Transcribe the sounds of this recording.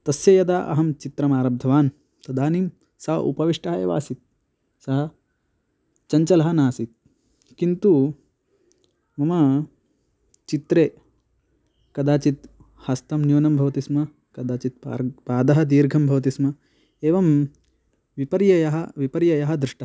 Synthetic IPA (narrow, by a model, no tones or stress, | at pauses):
t̪ɐsjɐjɐd̪aːʔɐ̰ɦɐmt͡ʃit̪ɾɐmaːɾɐb̚d̪ʱɐʋaːn | t̪ɐd̪aːnim | sɐɦɐ̰ʔṵpɐʋiʂʈɐɦɐḛːʋa̰ːsit̪̚ | sɐɦɐ | t͡ʃɐɲt͡ʃɐlɐɦɐnaːsit̪̚ | kint̪u | mɐmɐ | t͡ʃit̪ɾeː | kɐd̪aːt͡ʃit̪ | hɐst̪ɐmnjuːnɐmbʱɐʋɐt̪ismɐ | kɐd̪aːt͡ʃit̪̚ːpaːd̪ɐɦɐd̪iːɾɡʱɐmbʱɐʋɐt̪̬ismɐ | eːʋɐm | ʋipɐɾjɐjɐɦɐʋipɐɾjɐjɐɦɐ̆d̪ɾɪʂʈɐɐ